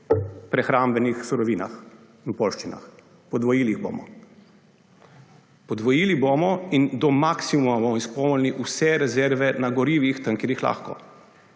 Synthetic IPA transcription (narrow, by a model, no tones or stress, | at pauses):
pɾɛxɾaːmbɛnixsuɾɔʋiːna̰x | inupoːlʃt͡ʃina̰x | pɔd̪ʋɔjiːliɣbo̰ːmɔ̰ | pɔd̪ʋɔjiːlibomɔind̪ɔmaksimumabomɔispɔmɔlʲniʔusɛɾɛzɛɾʋɛnaɡɔɾiːʋixt̪əŋkiɾixla̰ːxkɔ̰